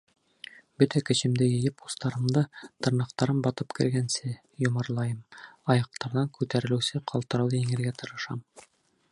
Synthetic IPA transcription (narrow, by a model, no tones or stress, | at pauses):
bɵt̪ækɘ̆ɕɘ̆md̪ɘjɘ̆jɘpust̪ɑɾɤ̆md̪ɤt̪ɤ̆ɾnɑq̚t̪ɑɾɤmbɑt̪ɤpkɘ̆ɾɡænsɘ | jŏmɤ̆ɾlˠɑjɤmɑjɑq̚t̪ɑɾðɑŋkʉt̪æɾɘ̆lɘsɘqʰɑlˠt̪ɤ̆ɾɑwd̪iŋɘ̆lɡæt̪ɤ̆ɾɤ̆ʃɑm